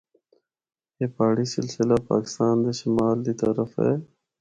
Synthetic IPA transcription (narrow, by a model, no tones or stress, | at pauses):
jeːpaːɽisɪ̰lsɪlapa̰ːkɪ̥st̪aːnd̪eʃimaːld̪it̪ɐɾəfḛː